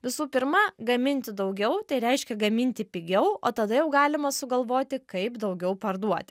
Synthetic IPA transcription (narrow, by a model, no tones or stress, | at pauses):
ʋʲɪsuːpʲɪɾmɐɡɐmʲɪnʲt̪ʲɪd̪ɐʊɡʲɛʊt̪ɐɪɾʲɛɪʃʲkʲɛɡɐmʲɪnʲt̪ʲɪpʲɪɡʲɛʊo̰ːt̪ɐd̪ɐjɛʊɡɑːlʲɪmɐsʊɡɐlˠʋoːt̪ʲɪkɐɪpd̪ɐʊɡʲɛʊpɐrd̪uɔt̪ʲɪ